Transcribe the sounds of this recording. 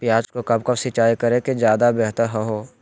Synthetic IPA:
pjaːd͡ʒkokɐbkɐbsɪt͡ʃaːikɐɾẽkezjaːd̪abɛɦt̪əɾɦɛɦoː

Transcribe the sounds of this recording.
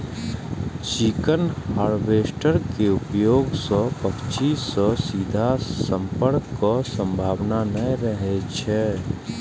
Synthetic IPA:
t͡ʃikənhaːɾʋeːsʈəɾkeʊpjoːɡsɔpətt͡ʃiːsɔsiːd̪ʱasə̃mpəɾkːɔsə̃mbʱaːʋnanəɾəɦet͡ʃʰeː

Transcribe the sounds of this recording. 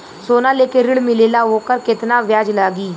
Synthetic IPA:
soːnaːleːkeɾɪɽmɪleːlaːɦoːkəɾkɪt̪naʋjaːd͡ʒlaːɡiː

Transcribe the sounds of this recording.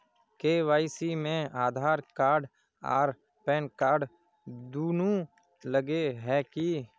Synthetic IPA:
keːʋaːɪsimẽaːd̪ʱaːɾkaːɾɖ | a̰ːɾ | pɛːnkaːɾɖ | d̪uːnũ | ləɡeɦɛːki

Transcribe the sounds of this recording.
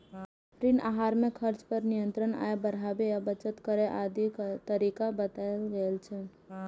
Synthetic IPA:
pɾinʔa̰ɦaɾmekʰəɾt͡ʃpəɾnijənt̪ɾəna̰ebəɾabejabət͡ʃət̪kəɾeʔad̪it̪əɾikabət̪alɡəlt͡ʃʰɛ

